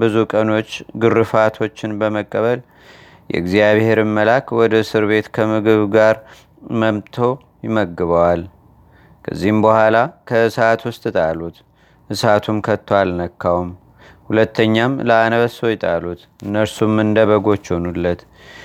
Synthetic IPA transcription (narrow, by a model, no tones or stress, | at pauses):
bɨzukʼəno̞t͡ʃːɡɨrːɨfat̪ʰo̞t͡ʃːɪnbəməkʼːəβəl | jʔɛ̰ɨɡzijaβhe̞ɾɨmːəlakwɔd̪əsɨɾβe̞t̪kʰəmɨɡɨβɡaɾ | məmt̪ʰo̞ | jɪməɡːɨβəwal | kʰə̰zːihɨmbəhʷwalakʰəɨsat̪wʊst̪ʼɨt̪ʼalut̪ | ʔɨsat̪ʰumkʰət̪ʰːwalnəkʰːawum | hulət̪ʰːəɲːamləanəβəsojɪt̪ʼa̰lut̪ | ɨnːəɾsumːɨnd̪əβəɡo̞t͡ʃːhonulːət̪